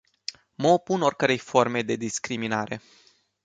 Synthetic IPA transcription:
məopunorʲkəɾe̞jfo̞rme̞d̪e̞d̪iskɾiminaɾe̞̰

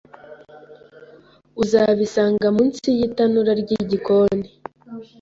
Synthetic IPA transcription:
uzaβisaːŋɡamunt͡sijitanuɾaɾɟiɟikoni

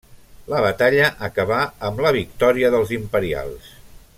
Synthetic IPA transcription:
ləβət̪aʎəʔəkəβaəmləβ̞ikt̪ɔɾiəðəlˠzimpəɾia̰lˠs

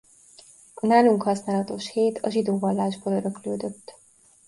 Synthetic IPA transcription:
naːluŋkhɒsnaːlɒt̪o̞ʃheːt̪ʰɒʒid̪oːvɒlːaːʒboːløɾøkløːd̪øt̪ː

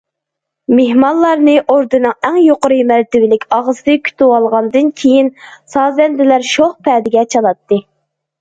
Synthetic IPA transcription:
meɦmɑnlˠɑɾnɨʔoɾd̪ɨnɨŋæŋjoqʊɾɨmæɾt̪ɪvɪlɪkʲɑʁsɨkʲʰy̥t̪ʰɪwɑlˠʁɑnd̪ɨnkʲʰejinsɑːzɛnd̪ɪlæɾʃoχpʰɛːd̪ɪɡʲɛt͡ʃʰɑlˠɑt̪ːɨ

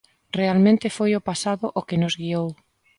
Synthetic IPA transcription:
realmẽnt̪ɪfojʊpasaðʊʔʊkɪnʊzɣiow

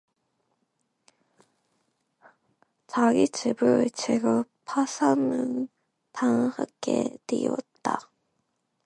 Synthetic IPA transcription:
t͡ɕaɡit͡ɕibɯɭt͡ɕeɡɯpʰasʰanɯn | tʰaŋha̰k͈ʰetiʌ̰t̚t͈a

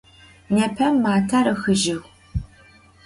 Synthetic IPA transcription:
nɐpʰɐmːaːtʰaɾɨxɨʒɪɣʷ

